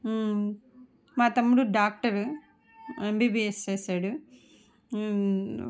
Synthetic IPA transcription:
maːt̪ɐmːuɽuɖaːk̚ʈɐɾ | embiːbiːest͡ʃeːsaːɽu

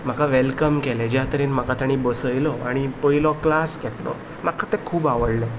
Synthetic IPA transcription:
m̤akaʋɛlkəmkɛlẽd͡ʑjat̪əɾiːnmakat̪aɽ̃ibəsəjlɔaɽ̃ipəjlɔklaskɛt̪lɔ̰ | makʰat̪ɛkʰuːbaʋəɽlẽ

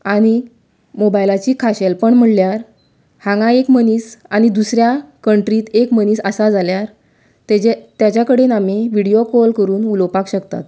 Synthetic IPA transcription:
aɽ̃i | mobajlat͡ɕiːkʰaɕelpəɳm̤əɽljaɾ | hãŋɡaekməniːsaɽ̃id̪usɾjakəɳʈɾiːt̪ekməniːsəsad͡zʱaljaɾ | t̪et͡ɕet̪jat͡ɕjakəɽenameʋiɽijokolkəɾuːnulopakɕəkt̪a̰t̪

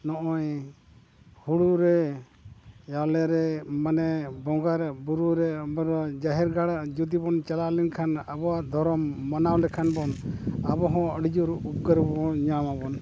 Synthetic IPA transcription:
nɔʔɔj | huɽuɾɛ | jawlɛɾɛmanɛbɔŋɡaɾbuɾuɾɛbɔɾɔd͡ʒaɦɛɾɡaɽad͡ʒud̪ibɔnt͡ʃalalɛnkʰanabɔwad̪ʱɔɾɔmːɔnawlɛkʰanbɔnabɔɦɔ̃əɽid͡ʒuɾup̚kəɾbɔɔɲamabɔn

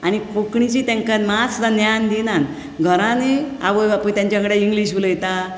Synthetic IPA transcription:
añipukɳit͡ɕiːt̪ɛ̃ŋkamat͡sd̪anjand̪inan | ɡʱəɾãnea̰ʋəjbapujt̪jãɲt͡ɕaəŋɡɽaiŋɡliɕ̬uləjt̪a

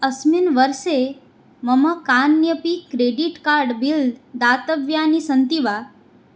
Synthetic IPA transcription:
əsminʋəɾʃe | məməkanjəpikɾeɖiʈkaɾɖbild̪d̪at̪əʋjanisənt̪iʋa

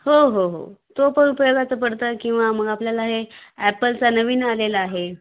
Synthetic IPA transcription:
hoɦoɦo̰t̪opəɳupəjoɡat͡səpəɽt̪əːkĩw̃ʋaməɡapljalaɦeæpəlt͡sanəʋiːnalelaːɦe

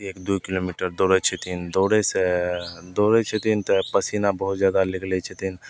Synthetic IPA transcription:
eːkd̪ukɪloːmiːʈəɾd̪oːɾet͡ʃʰet̪ʰind̪oːɾesed̪oːɾet͡ʃʰet̪ʰint̪ɛpəsinabəɦʊt̪zjaːd̪alɪkʰlet͡ʃʰet̪in

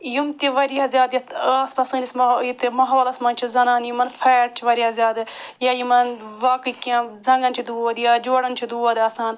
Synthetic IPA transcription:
jumt̪iʋɐɾiɐzʲjaːd̪jɐt̪aːspɐsɐŋlismɐjit̪emɐɦoːlɐsmɐnt͡ʃʰizɐnaːnjumɐnfʰeːʈ̚t͡ʃʰiʋɐɾiazʲjaːd̪jajimɐnʋaːkɨkãːzɐŋɡɐnt͡ʃʰid̪uːɐd̪jad͡ʒoːɽɐnt͡ʃʰid̪uːɐd̪ɐːsaːn

